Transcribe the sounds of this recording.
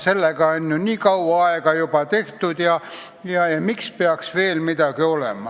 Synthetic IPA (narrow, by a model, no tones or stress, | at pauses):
selːækɑenʲːonʲiːkɑuʋɑɑekɑjopɑt̪eht̪ut̪jɑ | jɑeimikspeæksʋeːlmit̪ækeolemːˑɑ